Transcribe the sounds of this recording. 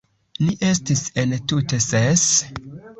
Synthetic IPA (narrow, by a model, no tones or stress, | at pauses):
liʔe̞stisentute̞ses